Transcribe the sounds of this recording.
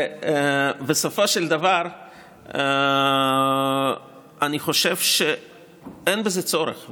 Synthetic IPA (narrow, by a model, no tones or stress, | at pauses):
besofoʃeld̪avaʁ | aniχo̞ʃevʃe | enbezet͡so̞ɾḛχ